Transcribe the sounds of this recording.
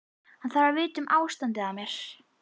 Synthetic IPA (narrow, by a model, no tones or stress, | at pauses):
hanθaɾvaɾvɪːt̪ʏmʔaːwst̪ant̪ɪamjɛɾ̥